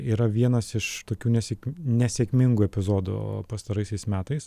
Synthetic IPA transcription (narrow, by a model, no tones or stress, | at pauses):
iːɾɐʋʲiɛnɐsɪʃt̪oːkʲuːnʲɛsʲeknʲɛsʲɛkʲmʲɪŋɡuɛpʲɪzoːd̪ʊ̰pɐst̪ɐɾɐɪsʲɛɪsmʲæːt̪ɐɪs